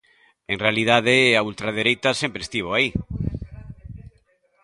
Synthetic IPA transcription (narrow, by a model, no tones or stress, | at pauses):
eŋrealiðað̞eault̪ɾað̞eɾejt̪asempɾest̪iβ̞oai